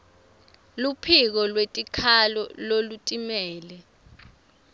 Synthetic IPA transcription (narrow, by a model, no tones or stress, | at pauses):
lupʰik̬ɔlwetʼikʰalɔlolutʼimɛːlɛ